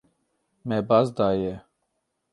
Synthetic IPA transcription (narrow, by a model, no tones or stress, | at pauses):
mɛbazd̪aːjɛ